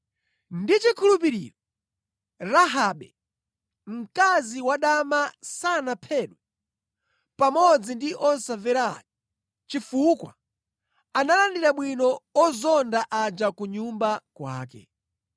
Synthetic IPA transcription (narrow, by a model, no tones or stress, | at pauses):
ndit͡ʃikʰulup̬iɾḭːɾɔ | ɾaɦaɓɛ | m̩kaziwaɗamasanapʰɛɗu | pamɔd͡zindiʔɔnsavɛɾaji | t͡ʃifukwa̰ | analandiɾaɓwinɔɔzɔndaʔad͡ʒakuɲumbakwa̰ːkɛ̰